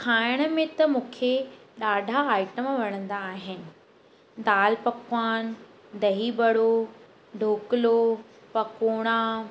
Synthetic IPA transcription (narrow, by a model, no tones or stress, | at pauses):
kʰaːɪɽ̃ə̆mẽt̪ɐmũːkʰeɗaːɖʱaaːɪʈəmʋɐɽ̃ə̃nd̪aːɦɪnɪ̆ | d̪aːlpɐkwaːn | d̪ɐɦibɐɽo | ɖʱoːkɪlo | pɐkoːɽ̃a